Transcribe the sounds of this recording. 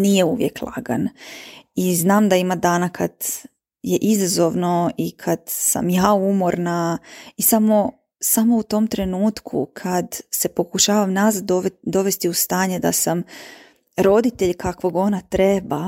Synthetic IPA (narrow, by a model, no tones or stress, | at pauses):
nije̞uʋjeklˠa̰ɡa̰n | iznaːmd̪aimad̪aːnakʰad̪ | je̞ʔizazo̞ʋno̞ikʰad̪sa̰mjaːumo̞ɾnaisamo̞ | samo̞ut̪o̞mt̪ɾe̞nuːt̪kʰṵkʰad̪se̞po̞kuʃaːʋamnazad̪oʋd̪o̞ʋe̞st̪iust̪aːɲed̪a̰sam | ɾo̞d̪it̪e̞ʎkakʋoɡo̞nat̪ɾeba